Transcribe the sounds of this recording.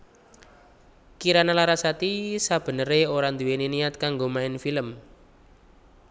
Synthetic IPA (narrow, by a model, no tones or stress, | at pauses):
kiɾanalaɾasat̪isab̥ə̤nəɾeoɾand̪uweneniat̪̚kaŋɡomaɪnfiləm